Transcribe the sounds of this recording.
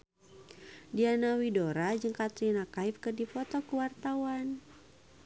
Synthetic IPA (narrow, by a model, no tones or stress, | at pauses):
dianawidoɾad͡ʒəŋkat̪ɾinakaifkərdipɔt̪ɔkuwart̪awan